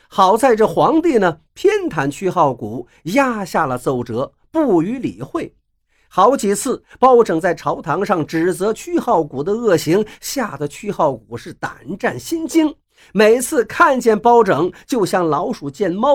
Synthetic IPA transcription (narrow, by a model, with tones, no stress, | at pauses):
xɑ˨˩ʊt͡sa˥˩˧ɪʈ͡ʂə˩xwɑ˧˥ŋt̪i˥˩nə˩t̪ʰjɛ˥nt̪ʰa˧˥nt͡ɕʰy˥xɑ˥˩ʊku˨˩˦ | ja˥ɕja˥˩lə˩t͡so˨˩ʊʈ͡ʂɤ˧˥ | pu˥˩y˧˥li˨˩xwe˥˩ɪ | xɑ˧˥ʊt͡ɕi˨˩t͡sʰɹ̩˥˩pɑ˥ʊʈ͡ʂɤ˨˩ŋt͡sa˥˩ɪʈ͡ʂʰɑ˧˥ʊt̪ʰɑ˧˥ŋʂɑ˥˩ŋʈ͡ʂɻ̩˨˩t͡sɤ˧˥t͡ɕʰy˥xɑ˥˩ʊku˨˩d̪ə˦ɤ˥˩ɕi˧˥ŋɕja˥˧d̪ə˩t͡ɕʰy˥xɑ˥˩ʊku˨˩ʂɻ̩˥˩t̪a̰˨˩nʈ͡ʂa˥˩nɕi˥nt͡ɕi˥ŋ | me˨˩ɪt͡sʰɹ̩˥˧kʰa˥˧nt͡ɕjɛ˥˩npɑ˥ʊʈ͡ʂɤ˨˧˥ŋt͡ɕjo˥˧ʊɕjɑ˥˩ŋlɑ˧˥ʊʂu˨˩t͡ɕjɛ˥˧nmɑ˥